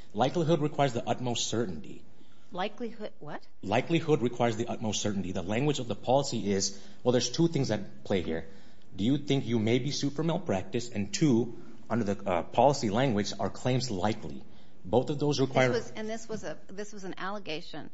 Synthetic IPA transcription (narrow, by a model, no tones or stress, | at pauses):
laɪkliɦʊd̚ɹɨkʰw̥aɪə˞zðiʔʌt̚moʊstsɜ˞ʔn̩tḭ | laɪklihʊdwʌt̚ | laɪklihʊd̚ɹɨkʰw̥aɪə˞zðiʔʌt̚moʊstsɜ˞ʔn̩tiðəlæ̃ŋɡwɨd͡ʒʌvðəpʰɑlˠəsiʔɪz | wɛlˠðə˞z̥tʰuθɪ̃ŋzðɨt̚pʰl̥eɪhḭɹ | dɨjɨθɪ̃ŋkjɨmeɪbisʉtfɹə̃˞mɛlˠpʰɹ̥æk̚tɨsɨ̃ntʰu | ʔʌ̃ndə˞ðɨpʰɑlˠəsilæ̃ŋɡwɨd͡ʒə˞kʰl̥ẽɪ̃mzlaɪkʰlḭ | boʊθʌvðoʊzɹɨkʰwaɪə˞zɨ̃nðɪswʌzɨ | ðɪswʌz̃n̩ælˠəɡeɪʃɨ̃n